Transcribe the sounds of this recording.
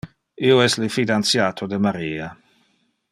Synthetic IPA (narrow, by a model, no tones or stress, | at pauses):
iːoɛslifid̪ant̪sjaːt̪ʰod̪emaɾiːa